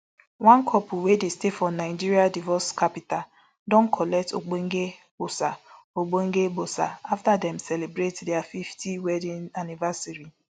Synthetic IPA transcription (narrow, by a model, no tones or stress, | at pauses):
wãnkʰɔpuwedestefɔnaɪd͡ʒiɾiadivɔskapita | dɔ̃n̩kʰɔlɛk̚to̰ɡ͡boŋ̩ɡe | bosa | oɡ͡boŋ̩ɡeɡ͡bosa̰aftadɛmsɛlebɾetdeafiftʰiwɛdĩnanivasaɾi